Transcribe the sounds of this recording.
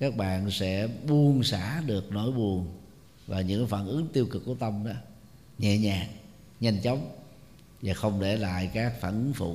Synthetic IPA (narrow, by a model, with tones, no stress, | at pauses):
kaː˦˥k̚ɓa̰ː˧˨nsɛ̰˧˥ɓu˧˩ənsa̰ː˧˥ɗɨ˨˩ək̚no˧˩˦jɓu˨˩əŋ | vaː˨˩ɲɨ̰˧˥ŋkaː˨˦faː˧˩nʔɨ˨˦ŋt̪i˧əwkɨ˨˩k̚ːu˧˩ət̪ə˧mɗɔ̰ː˨˦ | ɲɛ̰˧˨ɲaː˨˩ŋ | ɲə˧jnt͡ɕə˨˦wŋ͡m | vaː˨˩xə˧wŋ͡mɗe˧˩la̰ː˧˨jkaː˦˥k̚faː˧˩nʔɨ˨˦ŋfṵ˧˨˩